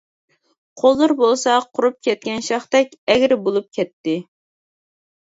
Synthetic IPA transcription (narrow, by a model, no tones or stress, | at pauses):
qʰolˠːɨɾbolˠsɑqʰʊɾup̚kʲɛt̪̚kʲɛnʃɑχt̪ɛkʲɛɡʲɾbolˠup̚kʲʰɛt̪ːɪ